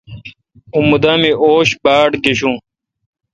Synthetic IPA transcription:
ũmud̪ãːmiʔoːɕbaːɽɡeɕũː

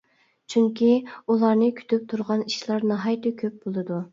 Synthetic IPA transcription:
t͡ʃʰyŋkʲʰiulˠɑɾnɨkʲʰy̥t̪ʰyp̚t̪ʰuɾʁɑniʃlˠɑɾnɑɦɑjt̪ʰɨkʲʰøp̚b̥olˠɨd̪u

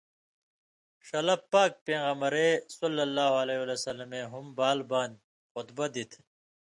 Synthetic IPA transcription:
ʂɐlɐpːaːk̚pẽːɣɐmɐɾesʌlːɐlːaːɦɐleːwɐlesɐlɐmeɦumbaːlbaːn | xʊt̪bɐd̪it̪ʰ

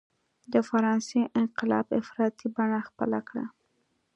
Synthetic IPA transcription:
d̪əfaɾɑnseʔɪnqɪlɑ̰bɪfɾɑt̪ibaɳaxpə̰lakɽa̰

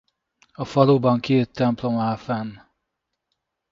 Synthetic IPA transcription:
ɒfɒloːbɒŋkeːt̪ːɛmplo̞maːfɛnː

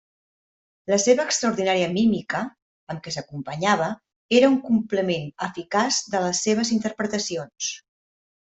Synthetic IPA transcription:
ləseβəːkst̪ɾəuɾðinaɾiəmimikəː | mkɛsəkumpəɲaβ̞ə | eɾəuŋkumpləmenəfikazd̪ələsːeβ̞əzint̪əɾpɾət̪əsions

